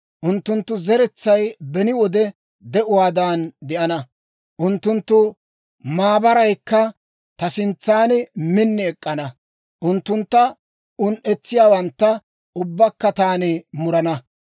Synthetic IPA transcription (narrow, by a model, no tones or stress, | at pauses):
ʔʊnt̪ːʊnt̪ːʊzɛɾɛt͡sːɐjbɛnɪwɔd̪ɛ | d̪ɛʔʊwaːd̪aːnd̪ɛʔɐnɐ | ʔʊnt̪ːʊnt̪ːʊ | maːbɐɾɐjkːɐ | t̪ɐsɪnt͡sːaːnmɪnːɛɛkʼːɐnɐ | ʔʊnt̪ːʊnt̪ːɐ | ʊnʔɛt͡sːɪjaːwɐnt̪ːɐ | ʊbːɐkːɐt̪aːnɪmʊɾɐnɐ